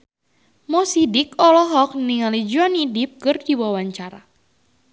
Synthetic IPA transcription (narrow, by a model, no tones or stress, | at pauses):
mɔsidikɔlɔɦɔk̚niŋalid͡ʒuanidip̚kɨrdiwawaɲt͡ʃaɾa̰